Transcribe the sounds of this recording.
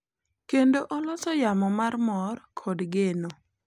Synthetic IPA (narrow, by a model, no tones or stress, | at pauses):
kendoʔɔlɔsɔjamɔmarmɔrkʰɔdɡeno